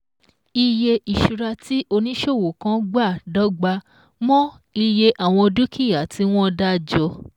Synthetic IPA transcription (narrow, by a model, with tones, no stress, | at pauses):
i˧je˧i˨ʃu˨ɾa˧ti˦ʔo˧nĩ˦ʃo˦˨wo˨kã˦ɡ͡ba˦˨dɔ˦ɡ͡ba˧ | mɔ̃˦ | i˧je˧ʔa˦˨w̃ɔ̃˧du˦kʰi˦˨ja˨tʰi˦w̃ɔ̃˦˧da˦d͡ʒɔ˧˦